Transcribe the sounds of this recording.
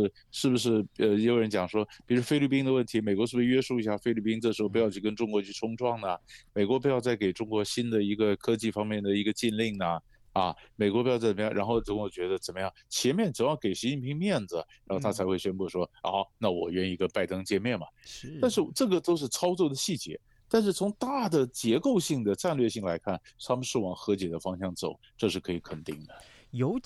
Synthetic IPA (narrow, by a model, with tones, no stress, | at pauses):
ɻ̩˥˧ | ʂɻ̩˥˩bu˩ʂ̬ɻ̩˥˩ə˧jo˧˥ʊɻə˧˥nt͡ɕjɑ˨˩ŋʂwɔ˥pi˨˩ɻu˧˥ʂwfe˥ɪli˥˩pi˥ŋd̪ə˨˧wə˥˩nt̪ʰi˧˥me˨˩ɪkwɔ˧˥ʂɻ̩˥˩˧ʂɥɛ˥ʂu˥˩i˧˥ɕja˥˩fe˥ɪli˥˩pi˥nʈ͡ʂɤ˥˩ʂɻ̩˧˥xpu˧jʊt͡ɕʰy˥˩k̬ə˥nʈ͡ʂʊ˥ŋkwɔ˧˥t͡ɕʰy˥˩ʈ͡ʂʰʊ˥ŋʈ͡ʂwɑ˥˩ŋnə˩me˨˩ɪkwɔ˧˥p̬u˧˥jɑ˥˧ʊt͡sa˥˩ɪke˨˩ɪʈ͡ʂʊ˥ŋkwɔ˧˥ɕi˥nd̪ə˨i˧˥ɡə˧kʰɤ˥t͡ɕi˥˧˩fɑ˥ŋmjɛ˥˩nd̪ə˩i˧˥ɡə˧t͡ɕi˥˧nli˥˩ŋnə˩ | ɐ˧˩me˨˩ɪkɔ˧˥pu˧˥jt͡sə˨˩m˧jɑ˥˩ŋɻa˧˥nxo˥˩ʊt͡sə˧˥kt͡ɕɥɛ˧˥d̪ə˧t͡sə˨˩nmə˦jɑ˥˩ŋt͡ɕʰjɛ˧˥nmjɛ˥˩nt͡sə˨˩jɑ˥˩ke˨˩ɪɕi˧˥t͡ɕi˥˩npʰi˧˥ŋmjɛ˥˩nd͡z̩˩ɻɻaa˧˥xt̪ʰa˥t͡sʰɪxwe˥˩ɪɕɥɛ˥npu˥˩ʂwɔ˥ɔ̰˥˩na˥˩wɔ̰˨˩ɥɛ˥˩ni˧˩kə˥npa˥˩ɪt̪ɤ˥ŋt͡ɕjɛ˥˧mjɛ˥˩nmɐ˩t̪a˥˧nʂ̬ɻ̩˥˩˧ʈ͡ʂɤ˥˩ɡə˩t̪o˥ʊʂ̬ɻ̩˥˩t͡sʰɑ˥ʊt͡swɔ˥˩d̪ə˩ɕi˥˩t͡ɕjɛ̰˧˥ | t̪a˥˧nʂ̬ɻ̩˥˩t͡sʰʊ˧˥ŋt̪a˥˩d̪ə˩t͡ɕjɛ˧˥ko˥˧ʊɕi˥˩ŋd̪ə˩ʈ͡ʂa˥˧nlɥɛ˥˧ɕi˥˩ŋla˧˥ɪkʰa˥˩nt̪ʰa˥mə˨nʂɻ̩˥˩wɑ˨˩ŋxɤ˧˥t͡ɕjɛ˨˩d̪ə˦fɑ˥ŋɕjɑ˥˩ŋt͡so̰˨˩˦ʊʈ͡ʂɤ˥˧ʂɻ̩˥˩kʰɤ˧˥i˧˥kʰə˨˩nt̪ḭ˥˩ŋd̪ə˩ | jo˧˥